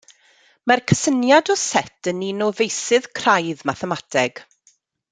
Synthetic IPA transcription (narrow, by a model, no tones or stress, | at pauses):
markʰəsənjadɔsɛtʰəninɔvejsɨð̥kʰrajðmaθəmatʰɛɡ̥